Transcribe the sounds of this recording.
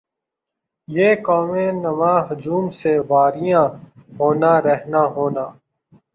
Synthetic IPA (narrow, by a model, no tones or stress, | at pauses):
jeːkɔːmẽnɐmãːɦʊd͡ʒuːmseʋaːɾijãːɦoːnaːɾɛɦnaːɦoːnaː